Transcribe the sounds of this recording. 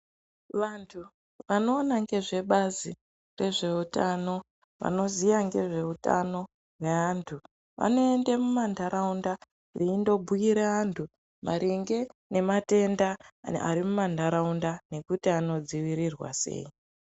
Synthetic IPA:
ʋantʰu | ʋano̞ːnaŋɡe̞ʐe̞ɓazi | re̞ʐe̞utano̞ | ʋa̰no̞zijaŋɡe̞ʐe̞uta̰no̞ | we̞antʰu | ʋa̰no̞e̞ndemumandaɾaunda | riːndo̞bʱujiɾeantʰu | maɾiŋɡe̞ne̞mate̞ndaa̰ɾimumandaɾaundane̞kutiano̞d͡ziwiɾirwa̰sḛi

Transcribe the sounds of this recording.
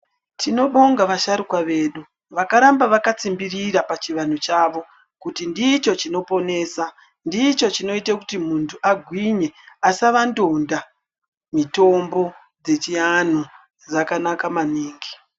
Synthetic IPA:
tʰino̞ɓo̞ŋɡaʋaʃaɾukwaʋe̞ːɗu | ʋakaɾambaʋakat͡simbiriɾapat͡ʃiʋan̤ut͡ʃaːʋo̞ | kutindit͡ʃo̞t͡ʃino̞po̞ne̞ːsa | ndit͡ʃo̞t͡ʃino̞itakutimuntʰuaɡʱwiɲe̞asaʋando̞nda | mito̞mbo̞ | d͡ze̞t͡ʃian̤u | d͡zakanakamaniːŋɡi̥

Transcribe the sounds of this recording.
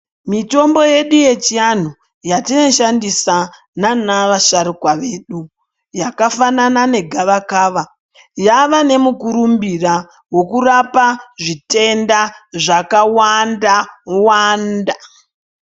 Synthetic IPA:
mito̞mbo̞je̞ɗuje̞t͡ʃian̤u | jatino̞ʃandisa | nanaʋaʃaɾikwaʋe̞ːɗu | jakafananane̞ɡʱaʋakaːʋa | jaʋane̞mukuɾumbira | wo̞kurapaʐite̞ndaʐakawandawanda

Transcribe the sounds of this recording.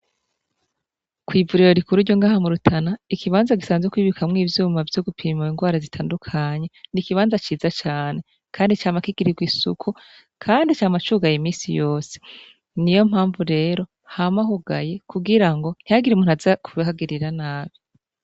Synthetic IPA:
kwiːvuɾiɾo̞ɾikuɾuɾɟoŋɡaːhamuɾutʰanaikiβaːnzaɡisaːnzwekwiːβikamŋiːvjuːmavjoɡupʰiːmuiŋɡwaːɾazitʰaːndukʰaɲe̞nikiβaːnzat͡ʃiːzat͡ʃaːne̞ | kʰaːndit͡ʃaːmakiɡ̥iɾiɡwisṵkʰu | kʰaːndit͡ʃaːmat͡ʃuːɡajimiːsijo̞ːse̥ | nijo̞m̥haːɱvuɾe̞ːɾo̞ | hamaɦuɡa̰je̞kuɡiɾaŋɡo̞n̥hijaɡiɾimuːnazakuihaɡiɾiɾanaːβi

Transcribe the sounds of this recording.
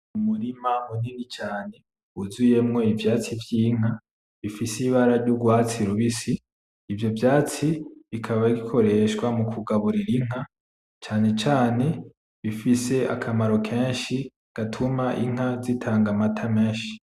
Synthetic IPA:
umuɾimamuninit͡ʃaːne̞ | uzuje̞mŋo̞ivjaːt͡sivjiːŋ̥a | βifisiβaɾaɾɟuɡwaːt͡siɾuβisiː | vjo̞vjaːt͡siβikʰaβaɡikʰo̞ɾe̞ʃɡwamukʰuɡaβuɾiɾiŋ̥a | t͡ʃaːne̞t͡ʃaːne̞ | βifise̞ʔa̰kʰamaɾo̞kʰẽːnʃi | ɡ̥atʰumaʔiŋ̥azitʰaːŋɡamatʰameːʃi̥

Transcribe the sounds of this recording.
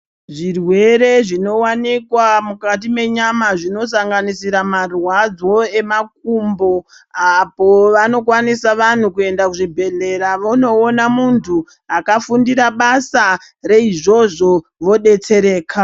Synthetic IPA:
ʐirwe̞ɾe̞ʐino̞wanikwamukat̬ime̞ɲamaʐino̞s̬aŋɡanisiɾamarwad͡zo̞e̞mak̚umbo̞ | apoʋano̞kwanisaʋan̤ukue̞ndakuʐibʱe̞ɮe̞ɾaʋono̞ːnamuntʰu | akafundiɾaɓasa | ɾe̞iʐo̞ʐo̞ | ʋo̞ɗe̞t͡se̞ɾe̞ːkʰa

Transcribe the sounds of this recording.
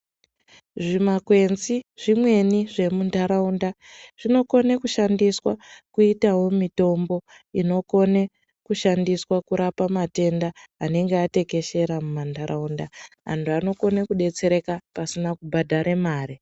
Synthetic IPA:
ʐimakwe̞nziʐimwe̞niʐe̞mundaɾaunda | ʐ̥ino̞ko̞nekuʃandiswakuitawo̞mito̞mbo̞ | ino̞ko̞ne | kuʃandiswakuɾapamate̞ndaːne̞ŋɡeate̞ke̞ʃe̞ɾamumandaɾaundaɦa̰ntʰuano̞ko̞nekuɗe̞t͡se̞ɾe̞kapasinakubʱadʱaɾemaːɾi

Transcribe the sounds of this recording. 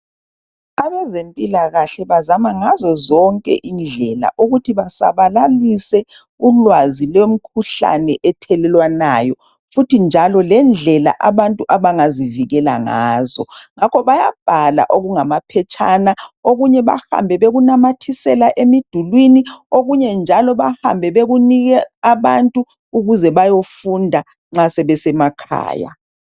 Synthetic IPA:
aβɛzempʼilaɣaɬɛβazamaŋazɔzɔŋkʼɛ̰ʔind͡ɮʱɛla̰ʔuɣutʰiβasa̰βalalisɛ | ulwazilem̩kʰuɬa̰nɛʔɛtʰɛlɛlwanajɔ | futʰind͡ʒʱalɔlɛnd͡ɮʱɛla̰ʔaβantʼuʔaβaŋaziviɣɛla̰ŋazɔ̰ŋakʰɔβaja̰b̥ʱala̰ʔoɣuŋamapʰɛt͡ʃʼʰanaoɣuɲɛβa̰ha̰mbʱɛβeɣunamatʰisɛlaʔemid̥ʱulwinioɣuɲɛnd͡ʒʱalɔβaha̰mbʱɛβeɣuniɣɛaβantʼuː | ɣuzɛβajofundʱa | ŋ͡ǁasɛβɛsɛmakʰa̰ːja̰

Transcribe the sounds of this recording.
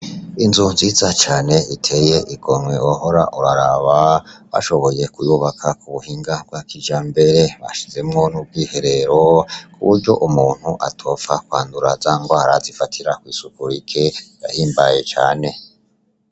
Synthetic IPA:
inzunziːzat͡ʃaːne̞itʰe̞je̞ʔiɡomwe̞oɦo̞ɾa̰ʔuɾaɾaβaβa̰ʃo̞βo̞je̞kujuβakʰakuβuhiŋɡab̚ɡwakid͡ʒaːmbe̞ɾe̞βa̰ʃize̞mŋo̞nub̚ɡiːhe̞ɾe̞ɾokʰuβuɾɟo̞̰ʔumuːn̥huʔa̰tʰo̞fakwa̰ːnduɾazaːŋɡohaɾazifatʰiɾakwiːsukuɾikʰeda̰hiːmbaje̞t͡ʃa̰ːne̞

